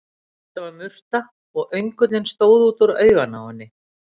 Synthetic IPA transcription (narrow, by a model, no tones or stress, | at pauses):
t̪avaɾmʏr̥t̪a | ɔɣœɥŋkʏt̪lɪnst̪oːwðuːt̪ʏɾœːɥɣana̰anːɪ